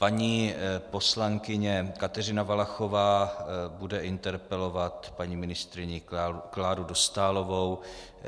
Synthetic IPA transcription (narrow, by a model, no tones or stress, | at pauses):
paɲiːpo̞slaŋkɪɲɛkat̪ɛrɪnavalaxo̞vaːbudɛʔɪnt̪ɛɾpɛlo̞vat̪paɲiːmɪnɪst̪ɾɪɲɪauklaːɾudost̪aːlo̞vow